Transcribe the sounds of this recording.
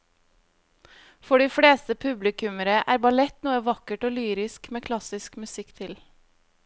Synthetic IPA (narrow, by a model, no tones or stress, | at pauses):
fɔɖiːfɽeːst̪əpʰʉblɪkʉməɾəʔæ̰ːɾbɑlɛt̪nuːəʋɑkəʈoːlyːɾɪskmeːkʰlɑsɪskmʉsɪkt̪ʰɪl